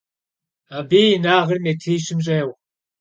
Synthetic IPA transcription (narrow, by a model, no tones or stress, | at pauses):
abiːjnaːʁɐrmetʰiːɕɪmɕ̬ʼeːw